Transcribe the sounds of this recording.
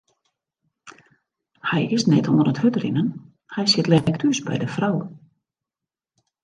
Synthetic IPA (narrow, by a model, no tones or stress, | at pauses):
hɛjɪsnɛtoənəthøtrɪnən | hɛjsɪtlɛktʰysbɛ̰jdəfraw